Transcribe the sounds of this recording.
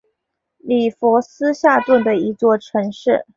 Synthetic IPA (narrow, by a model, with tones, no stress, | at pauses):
li˨˩fwɔ˧˥sɹ̩˥ɕja˥˧t̪wə˥˩nd̪ə˩i˧˥t͡swɔ˥˩ʈ͡ʂʰɤ˧˥ŋʂɻ̩˥˩